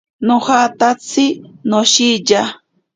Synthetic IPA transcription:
nohat̪at͡sʰɪnoʃid͡ʒa

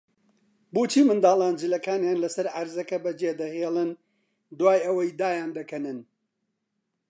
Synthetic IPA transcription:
boːt͡ʃʰiːmɨnd̪aːlˠaːnd͡ʒɨlɐkaːnjaːnlɐsɐɾʕaɾzɐkɐbɐd͡ʒeːd̪ɐheːlˠɨn | d̪waːjʔɐwɐjd̪aːjaːnd̪ɐkʰɐnɨn

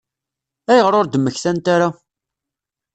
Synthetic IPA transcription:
æjəʁɾoɾd̪əmːəçθænt̪aɾa

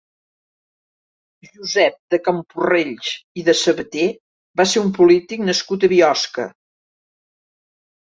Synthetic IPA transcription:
ʒuzɛp̚d̪əkəmpureʎt͡ʃiðəsəβət̪e | baseumpulit̪iknəskut̪əβiɔskə̰

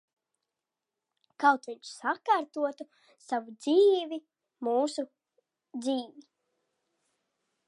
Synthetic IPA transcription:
kawt̪viɲsakaɾt̪uɔt̪u | savud̪ziːvʲi | muːsu | d̪ziːvi

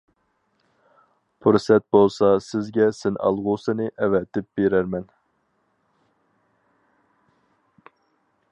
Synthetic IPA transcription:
pʰuɾsɛt̪̚bolˠsɑsɪzɡʲɛsɪnʔɑ̰lˠʁʊsɨnɨʔɛvɛt̪ɪp̚beɾæɾmɛn

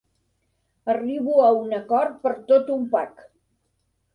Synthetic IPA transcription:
əriβuəunəkɔɾ̚pəɾt̪ot̪umpa̰k

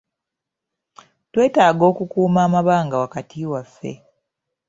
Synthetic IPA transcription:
twe̞ːtaːɡo̞ːkukuːmaːmaβaːŋɡawakatiwafːe̞̰

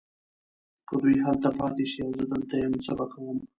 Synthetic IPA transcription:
kəd̪ujɦalt̪apɑt̪eʃiawzəd̪əlt̪ajemsabakawəm

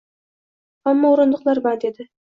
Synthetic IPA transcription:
hamːɒʊɾɨnd̪ʊqlˠaɾbaɾd̪e̞d̪ɪ

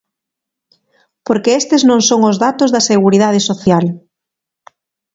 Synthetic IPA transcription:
poɾkeest̪ɪznõŋsoŋʊzðat̪ozðɐseɣuɾiðað̞ɪsoθjal

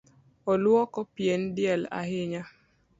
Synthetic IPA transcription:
ɔlwɔkɔpjendjɛla̰ɦɪɲa

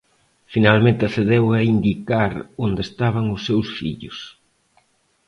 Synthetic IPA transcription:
finalmẽnt̪ɪaθeðewɐind̪ikaɾond̪est̪aβ̞aŋʊsːewsfḭʎʊ̰s

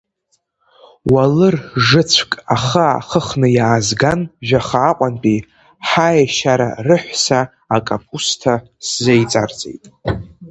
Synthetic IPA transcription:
walɨrʐɨt͡sʷʰkʼaχaa̰χəχnɨjaːzɡanʒᶣaχaːqʷʼanpʼi | ħajaʃaɾa̰rɨħʷsaː | kʼapʼustʰa | szejt͡sʼart͡sʼḛjtʼ

